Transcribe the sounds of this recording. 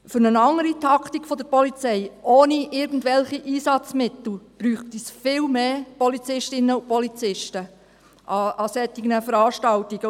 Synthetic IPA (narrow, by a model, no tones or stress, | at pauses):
fɵɾnənɑŋəɾitʰɑkʰtikfɔd̪əɾpɔlit͡sɛɪʔoːniʔɪɾɡ̥ən̩dʋɛlχiʔiːsɑt͡smɪt̪l̩b̥ɾyːχtisfɪːlmeːpɔlit͡sɪʃtɪnəʊpɔlit͡sɪʃtə | ʔɑɑsɛt̪iɡnəfəɾɑːʃtɑltiɡ̥ə